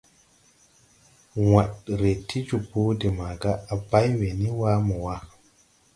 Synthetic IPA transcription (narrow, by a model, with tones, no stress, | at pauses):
wa˨tɾe˨tʰi˦d͡ʒu˨bu˦de˨ma˨ɡa˦a˨ba˦jwe˨ni˦wa˦mɔ˨wa˦